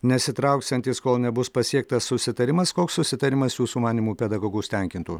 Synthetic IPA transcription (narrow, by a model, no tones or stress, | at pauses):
nʲɛsʲɪt̪ɾɐʊkst̪ɛnt̪ʲiskoːlˠnʲɛbʊspɐsʲiɛk̚t̪ɐsːʊsʲɪt̪ɐɾʲɪmɐskoːksːʊsʲɪt̪ɐɾʲɪmɐsjuːsuːmɑːnʲiːmuːpʲɛd̪ɐɡoːɡuːsʲt̪ʲɛŋʲkʲɪnt̪uː